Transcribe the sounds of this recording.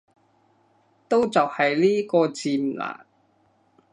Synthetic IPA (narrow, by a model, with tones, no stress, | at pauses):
t̪o˥wt͡sɐ˨whɐ˨jliː˥kɔː˧t͡siː˧m̩˨˩la̰ː˨˩